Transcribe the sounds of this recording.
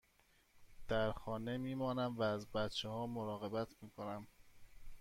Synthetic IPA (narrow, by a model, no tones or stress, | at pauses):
d̪̥æɾxɒːne̞miːmɒːnæmvæːzbæt̪t͡ʃʰehɒːmoɾɒːɣe̞bæt̪ʰmiːkʰo̞næm